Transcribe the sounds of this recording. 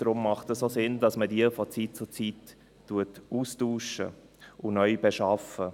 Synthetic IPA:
d̥ɾʊmːɑχtəssoːsɪnd̥ɑsmədiəfɔt͡sit̚t͡sʊt͡sitː | uətuːstuːʃə̰ | ʊnœʏbɛʃɑfə

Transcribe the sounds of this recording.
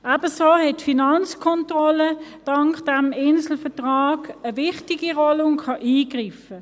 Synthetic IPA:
abəsoːhɛtfinɑnt͡skʰɔntʁɔləd̥ɑŋkd̥æmɪnsl̩fətʁaːɡ̥əʋɪχtiɡiʁɔlʊŋkʰɑʔiːɡʁiːfə

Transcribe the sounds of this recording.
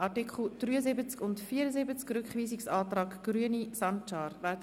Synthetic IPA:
ʔɑtɪkʰχl̩d̥ryːəzɪbət͡skʊntfiːɾəzɪbət͡skrʏkχviːsɪksɑːtrɑːkɡ̥ryənisɑnt͡ʃɑːɾvɛt

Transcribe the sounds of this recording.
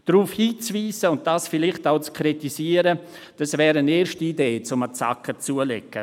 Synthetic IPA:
d̥ɾuːfhiːt͡sviːsəʊnt̚d̥aːsfɪlɪχtaʊt͡skʰɾitisiːəɾə | d̥asvɛːɾəneːɾʃtiːdeːt͡sʊmət͡sa̰kʰːət͡suːəlḛkːə

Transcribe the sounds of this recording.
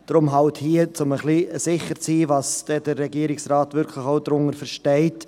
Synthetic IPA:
d̥ɾʊmɦɑwthiət͡sʊməχliːəsɪχəɾt͡siːvɑːsd̥ɛd̥əɾːɛɡiːɾɪksrɑːtvʏɾkʰlɪχoʊdɾʊŋəɾfəɾʃtɛɪt

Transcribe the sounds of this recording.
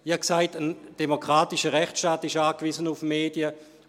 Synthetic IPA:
jaksaɪtənd̥emokʁaːtɪʃəʁɛχt͡sʃtaːtɪʃaːkvizənufmeːdiə

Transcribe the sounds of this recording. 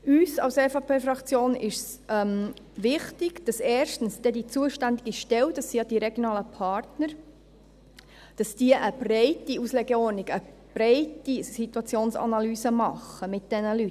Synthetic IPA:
yːsɑ̰wsɛfɑpʰeːfɾɑkt͡sjoːnɪʃsʔɛm | ʋɪχtɪɡ̥d̥ɑsɛːɾʃtn̩sd̥ɛdit͡suəʃtænd̪iɡiʃtɛwd̥ɑsːijɑd̥iɾɛɡjonɑːləpʰɑɾtnəɾ | d̥ɑsd̥iəʔəb̥rɛɪtiuslɛɡɛɔɾniɡə | b̥ɾɛɪtisit̪uɑt͡sjoːnsɑ̰nɑlyːsəmɑχːəmɪt̚d̥ɛnəlyt

